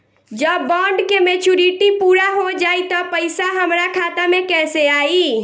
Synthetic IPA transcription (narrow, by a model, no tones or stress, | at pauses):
d͡ʒəbːɔ̃ɳɖkemet͡ʃuɾiʈipuɾaɦod͡ʒaːit̪ɔpəjsaɦəmɾakʰat̪amẽkɛseaːi